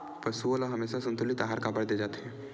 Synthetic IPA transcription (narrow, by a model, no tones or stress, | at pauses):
pɐsuolaɦɐmeːʃasɐ̃nt̪ʊlit̪aːɦaɾkaːbəɽd̪eːd͡ʒaːt̪eɦɛ̃ː